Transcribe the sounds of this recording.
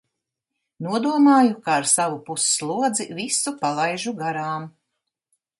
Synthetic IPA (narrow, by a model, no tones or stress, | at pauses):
nuɔd̪uɔmaːjukaːɾsavupusslˠuɔd̪zivisupalˠajʒuɡaɾaːm